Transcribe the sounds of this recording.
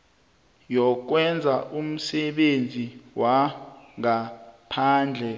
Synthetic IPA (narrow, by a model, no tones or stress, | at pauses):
jɔk̬wɛnd͡zʱaʔum̩sɛɓend͡zʱiwaŋapʰaːnd͡ɮʱɛ